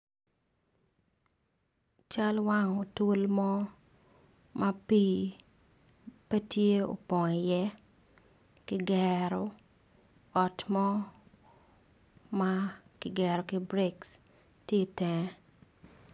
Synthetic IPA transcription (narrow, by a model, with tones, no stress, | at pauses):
t͡ʃa˦lwa˦ŋo˨to˦lmɔ˦ | mʔa˦piː˦ | pɛ˦tje˦o̰˨pɔ˨ŋɛ˨jɛ˦ | kɪ˦ɡɛ˨ɾɔ˨ | ɔ˨tmɔ˦ | ma˦kɪ˨ɡɛ˨ɾɔ˨ki˦bɾe˦ks | tje˦˨tɛ˨ŋ˦